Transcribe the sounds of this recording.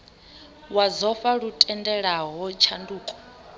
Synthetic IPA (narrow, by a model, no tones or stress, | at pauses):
wazɔfaɺutʼɛndɛɺaɦɔt͡ʃʰanduːkʼɔ̥